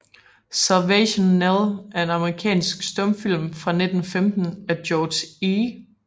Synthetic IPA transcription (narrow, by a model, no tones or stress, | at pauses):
sæɐʋæɕonːelˠʔæɐe̝nɑ̈məʁikʰɛ̰ːnsɡ̥sd̥ɔmfil̰mfʁɑ̈ne̝d̥n̩femd̥n̩æd̥jɒːd̥si